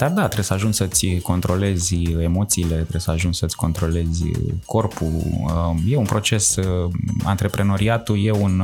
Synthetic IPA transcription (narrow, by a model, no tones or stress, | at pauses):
d̪ard̪at̪ɾesəaʒunt͡ʃʲsət̪sʲko̞nt̪ɾo̞le̞zʲemo̞t̪siːle̞t̪ɾesəaʒunt͡ʃsət̪sʲko̞nt̪ɾo̞le̞zʲkʰo̞rpu | je̞unpɾo̞t͡ʃe̞s | a̰nt̪ɾe̞pɾe̞no̞ɾiat̪uje̞un